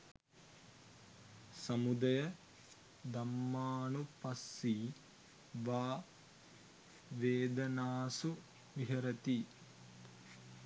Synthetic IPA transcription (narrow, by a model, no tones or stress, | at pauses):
sɐmud̪ɐjɐ | d̪ɐmːaːnupɐsːi | ʋaː | ʋeːd̪ɐnaːsu | ʋiɦɐɾɐt̪i